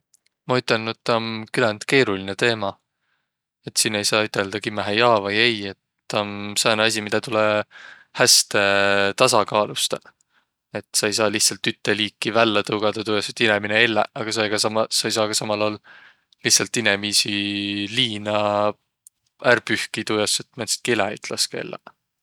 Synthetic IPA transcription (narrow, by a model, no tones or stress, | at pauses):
mɑyt̪ːˑɑnːut̪ːonkylɑnd̪̥ke̞ːɾuline̞t̪e̞ːmɑ | e̞t̪sinːe̞jsɑːyt̪ˑe̞ld̪̥ɑkimæɦejɑːvɑjeje̞t̪ː | onseonɑs̬ʲimid̪̥ɑt̪ule | hæst̪e̞t̪ɑsɑkɑːlust̪ɑ | e̞t̪ˑːsɑejs̬ɑːliht̪sɑlt̪yt̪ːe̞liːkˑːivælːɑt̪ɤwɡ̥ɑd̪̥ɑt̪ujɑsut̪ːinemineelːḛɑɡ̥ɑsɑjɡ̥ɑsɑmɑsɑjsɑːɡ̥ɑsɑmɑlɑːl | lihtsɑlt̪ːinemisiliːnɑ | ærpyhkit̪ujɑsːut̪ːmenst̪̚kelæy̰t̪lɑskɑḛlːḛ